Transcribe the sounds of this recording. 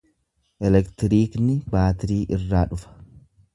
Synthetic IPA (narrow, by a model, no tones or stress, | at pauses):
ʔɛlɛkt̪ɪɾiːknɪbaːt̪ɪɾiːʔɪrːaːᶑʊfɐ̥